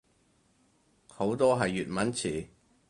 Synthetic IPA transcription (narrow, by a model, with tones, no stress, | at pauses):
ho˨˥wt̪ɔː˥ɦɐ˨jːyː˨t̚mɐ˨˥nt͡sʰiː˨˩